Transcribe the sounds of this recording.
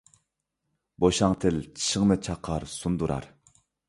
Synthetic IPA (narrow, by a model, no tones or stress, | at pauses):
boʃɑŋt̪ʰɪlt͡ʃʰi̥ʃəŋnɨt͡ʃʰɑqʰːɑɾsund̪uɾʔɑ̰ɾ